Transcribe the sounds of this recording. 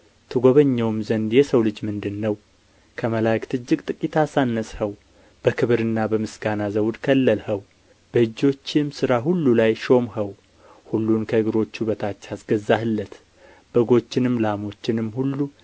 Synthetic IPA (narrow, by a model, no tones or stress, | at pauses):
t̪ʰɨɡo̞βəɲːɛwɨmzənd̪jɛsəwlɨd͡ʒmɨnd̪ɨnːəw | kʰəməlajkt̪ʰɨd͡ʒːɪkʼt̪ʼɨkʼit̪ʰasanːəshəw | b̥əkʰɨβɨɾɨnːabəmɨsɡanazəwd̪kʰəlːəlhəw | b̥əɨd͡ʒːo̞t͡ʃːɪmsɨɾaɦulːulajʃo̞mhəw | hulːunkʰəɨɡɨɾo̞t͡ʃːubət̪ʰat͡ʃːasɡəzːahɨlːət̪ | b̥əɡo̞t͡ʃːɪnɨmːlamo̞t͡ʃːɪnɨmhulːu